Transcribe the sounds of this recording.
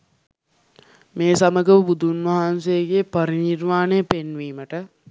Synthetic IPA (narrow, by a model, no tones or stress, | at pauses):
meːsaməɡəʋəbud̪unʋaɦansejəɡeːpaɾinirmaːnejəpenʋiːməʈə